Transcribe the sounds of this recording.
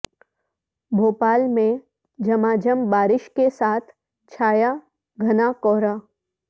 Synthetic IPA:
bʱoːpaːlmẽ | d͡ʒɐmaːd͡ʒəmbaːɾɪʃkesaːt̪ʰ | t͡ʃʰaːja | ɡʱɐnakɔːɾaː

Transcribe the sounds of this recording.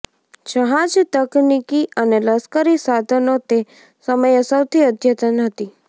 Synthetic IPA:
t͡ʃəɦãd͡ʒt̪əknikiʔəneləskəɾisad̪ʱənot̪e | səməjəsəwt̪ʰiəd̪ʱjət̪ənɦət̪i

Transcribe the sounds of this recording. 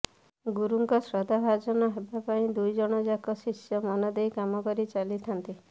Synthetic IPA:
ɡuɾuŋkɔsɾɔd̪ʱabʱad͡ʒɔnɔɦebapaĩd̪ujd͡ʒɔɽ̃ɔd͡ʒakɔsisjɔmɔnɔd̪ejkamɔkɔɾit͡ʃalit̪ʰant̪i

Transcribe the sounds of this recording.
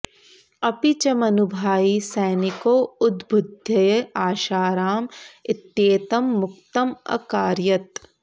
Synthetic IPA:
ɐpit͡ʃɐmɐnubʱaːisɐːnikoːʊd̪bʱʊd̪ʱjɐjɐaːʃaːɾaːmɪt̪jeːt̪ɐmːʊk̚t̪ɐmɐ̰kaːɾjɐt̪

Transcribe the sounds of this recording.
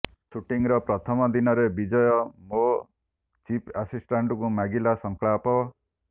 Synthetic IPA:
suʈiŋɾɔpɾɔt̪ʰɔmɔd̪inɔɾebid͡ʒɔjɔmo | t͡ʃipʰasisʈaɳʈɔkumaɡilasɔŋkɭapɔ

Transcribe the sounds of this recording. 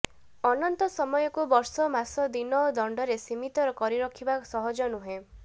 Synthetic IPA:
ɔnɔnt̪ɔsɔmɔjɔkubɔɾsɔmasɔd̪inɔod̪ɔɳɖɔɾesimit̪ɔɾɔkɔɾiɾɔkʰibasɔɦɔd͡ʒɔnuɦe

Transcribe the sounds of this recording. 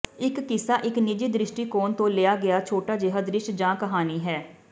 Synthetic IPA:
ɪkːɪsaːʔɪknɪd͡ʒiːd̪ɾɪʃʈiːkoːnt̪õːlɪjaːɡɪjaːt͡ʃʰoːʈaːd͡ʒɪɦad̪ɾɪʃʈd͡ʒãːkəɦaːniːɦɛː

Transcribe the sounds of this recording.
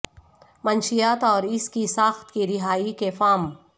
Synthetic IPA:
mɐnʃijaːt̪ɔːɾɪskisaːxt̪kiɾɪɦaːikefaːm

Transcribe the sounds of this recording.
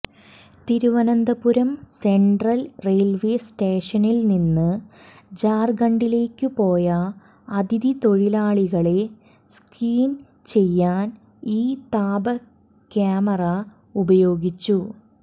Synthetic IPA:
t̪iɾuʋɐnɐnd̪ɐpuɾɐmse̞ɳɖrɐlre̞ːlʋe̞ːsʈeːʂɐnilninːɨ | d͡ʑaːrɡɐɳɖile̞ːkːɨpo̞ːjɐ | ɐd̪ʱid̪it̪oɻilaːɭiɣɐɭe̞ | skiːn | t͡ɕe̞jːaːn | iːt̪aːbɐ | kaːmɐrɐ | ubɐjo̞ːɡit͡ɕːu

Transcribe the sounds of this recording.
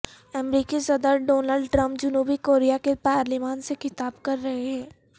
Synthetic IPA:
ɐmɾiːkisɐd̪əɾɖoːnəlɖʈɾɐ̃mp̚d͡ʒʊnuːbikoːɾijakepaːɾlimaːnsexɪt̪aːbkɐɾːɐɦeɦɛ̃ː

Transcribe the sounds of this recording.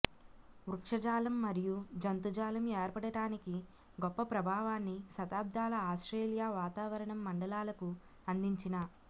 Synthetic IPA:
ʋɾukʂɐd͡ʒaːlɐmːɐɾijud͡ʒɐnt̪ud͡ʒaːlɐmɛːɾpɐɽɐɽaːniki | ɡɔpːɐpɾɐbʱaːʋaːnːisɐt̪aːb̚d̪ʱaːlɐaːsʈɾeːlijaːʋaːt̪aːʋɐɾɐɳɐmːɐɳɖɐlaːlɐku | ɐnd̪iɲt͡ʃinɐ

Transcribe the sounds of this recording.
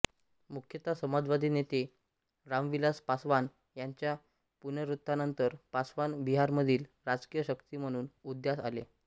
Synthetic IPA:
mukʰjət̪asəmad͡zʋad̪ʱiːnet̪e | ɾamʋilaspasʋan | jaɲt͡ɕja | punəɾut̪ːanənt̪əɾpasʋanbiɦaɾməd̪ʱiːlɾad͡zkijəɕəkt̪iːm̤əɽ̃uːnud̪jasa̰lḛ

